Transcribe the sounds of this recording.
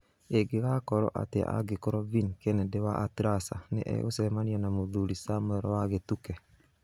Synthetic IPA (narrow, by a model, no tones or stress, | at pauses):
eɡeɣakɔɾɔ̰ʔa̰teʔa̰ɡekoɾɔvinkenɛdewaʔatɾasa̰nḛʔɛ̰ɣo̰sɛmanianamoðuɾisamoɛɾɔwaɣetukɛ